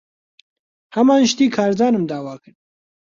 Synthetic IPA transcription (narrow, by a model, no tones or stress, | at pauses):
hɐmaːnʃt̪iːkʰaːɾd̪aːnɨmd̪aːwaːkɨɾ